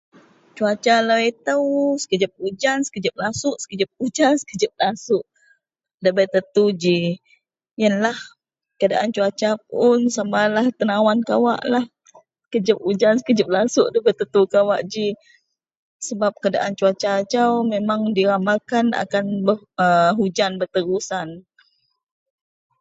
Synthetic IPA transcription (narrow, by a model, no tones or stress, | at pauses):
t͡ʃuat͡ʃalait̪əwsə̥kəd͡ʒəp̚ud͡ʒansə̥kəd͡ʒəp̚lasʊʔsə̥kəd͡ʒəp̚ud͡ʒansə̥kəd͡ʒəp̚lasʊʔ | dəbət̪ət̪ud͡ʒi | jənlah | kadaʔant͡ʃuat͡ʃap̚ʊnsamalaht̪ənawankawa̰ʔlah | ə̥kəd͡ʒəp̚ud͡ʒansə̥kəd͡ʒəp̚lasʊʔdəbət̪ət̪ukawaʔd͡ʒi | səbap̚kada̰ʔant͡ʃuat͡ʃat͡ʃawmemaŋdiɾamakana̰kanbə | əɦud͡ʒanbərt̪əɾusan